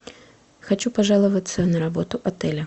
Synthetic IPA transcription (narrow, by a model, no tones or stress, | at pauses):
xat͡ɕupaʐalˠɐvɐt̪sːɐnɐɾabɔt̪ʊʔat̪ɛlʲɐ